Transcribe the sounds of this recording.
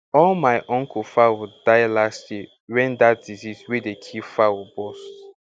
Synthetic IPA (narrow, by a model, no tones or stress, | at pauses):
ɔlmaɪʔɔ̃ŋkufawudaɪlastji | wɛ̃ndat̚d̥izizwedekʰifawubost